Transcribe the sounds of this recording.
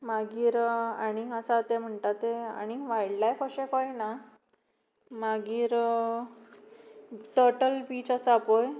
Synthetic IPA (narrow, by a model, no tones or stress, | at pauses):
maɡiːɾaɽ̃iəsat̪em̤əɳt̪at̪ːea̰ɽ̃iʋajɽlajkəɕekɔjna | maɡiːɾ | ʈəɾʈəlpiːt͡ɕəsaːpoj